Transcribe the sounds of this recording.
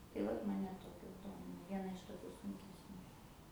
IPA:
tɐɪ ˈʋɐt ˈmɑːnʲɛ ˈtoːkʲoːs ˈdoːmʲɪnɐ ˈʋʲiɛnɐ ɪʃ toːˈkʲʊ sʊŋʲkʲɛsʲˈnʲuː

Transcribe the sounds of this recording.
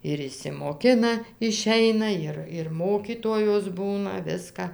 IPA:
ɪr ɪʃʲsʲɪmoːˈkʲɪnɐ ɪˈʃʲɛɪnɐ ˈjɪr ɪr ˈmoːkʲiːtoːjoːs ˈbuːnɐ ˈʋʲɪskɐ

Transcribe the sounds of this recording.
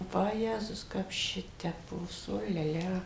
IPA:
ʋɐˈjæːzʊs ˈkɐp ˈʃʲɪtʲɛpoːs oː lʲɛ ˈlʲɛ

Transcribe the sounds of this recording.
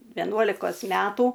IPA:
ʋʲɛˈnuɔlʲɪkoːs ˈmʲæːtuː

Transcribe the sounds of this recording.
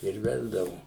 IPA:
ɪr ˈʋʲæːzdɐʋʊ

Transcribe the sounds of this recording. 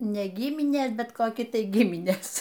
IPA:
ˈnʲɛ ˈɡʲɪmʲɪnʲeːs ˈbʲɛt koːˈkʲɪ ˈtɐɪ ˈɡʲɪmʲɪnʲeːs

